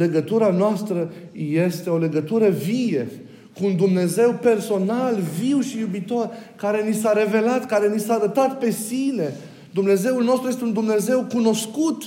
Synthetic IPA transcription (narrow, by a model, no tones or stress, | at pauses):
le̞ɡət̪uɾanoast̪ɾəje̞st̪e̞o̞le̞ɡət̪uɾəvije | kuːnd̪umne̞ze̞wpe̞rso̞nalviwʃijubit̪o̞rkaɾe̞nisaɾe̞ve̞lat̪kaɾe̞nisaːɾət̪at̪̚pe̞sine̞ | d̪umne̞ze̞ulno̞st̪ɾuje̞st̪eund̪umne̞ze̞wkuno̞skut̪